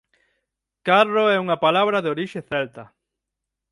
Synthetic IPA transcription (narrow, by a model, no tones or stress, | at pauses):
karoɛuŋapalaβɾaðeoɾiʃeθɛlt̪ɐ